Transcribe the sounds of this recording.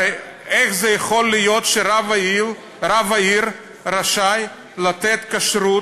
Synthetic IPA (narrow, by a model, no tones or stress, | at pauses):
eχzejeχo̞lːijot̪ʃeɾavi | ɾavaiɾ | ɾaʃaj | lat̪et̪kaʃɾut